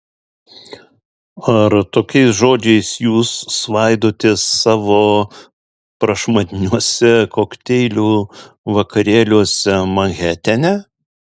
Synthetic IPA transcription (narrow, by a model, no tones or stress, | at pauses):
ɐɾt̪oːkʲɛɪsʒoːd͡ʒʲɛɪsjuːsːʋɐɪd̪oːt̪ʲeːsːɑːʋoː | pɾɐʃmɐd̪ʲɪnʲuɔsʲɛkoːkt̪ʲɛɪlʲuː | ʋɐkɐɾʲeːlʲuɔsʲɛmɐŋʲɣʲæːt̪ʲɛnʲɛ